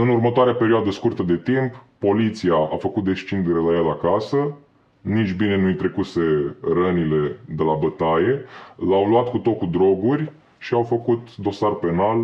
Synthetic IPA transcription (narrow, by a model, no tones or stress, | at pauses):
ɨnurmət̪oaɾeape̞ɾioad̪əskurt̪əd̪e̞t̪imppo̞lit̪siaafəkut̪̚d̪est͡ʃind̪eɾelajelakasə | nit͡ʃʲbine̞nujt̪ɾe̞kuse̞rənile̞d̪e̞labət̪aje̞lawluat̪kut̪o̞kud̪ɾo̞ɡurʲ | ʃiawfəkut̪d̪o̞sarpe̞nal